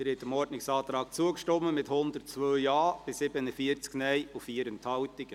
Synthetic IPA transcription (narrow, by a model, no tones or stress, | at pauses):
əɾɛtəmɔɾdnɪksɑːt̪ɾɑːk̚t͡suəkʃtɔmːəmɪthʊnd̪ətt͡sʋøːjɑːb̥ɪsɪbənəfiəɾt͡sknɛjufiːəɾəntʰhɑwt̪ɪɡ̥